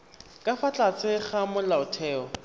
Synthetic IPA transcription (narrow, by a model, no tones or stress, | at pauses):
kʼafat͡ɬʼat͡sɪχamʊlaʊtʰɛːɔ